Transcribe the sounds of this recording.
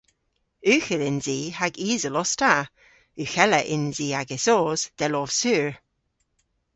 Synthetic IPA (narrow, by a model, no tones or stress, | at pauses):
ʉːxəlɪnziːhaɡiːzəlɔsta | ʉxɛləʔɪnziːaɡɪsoːzd̪̥ɛlɔv̥sʉːɹ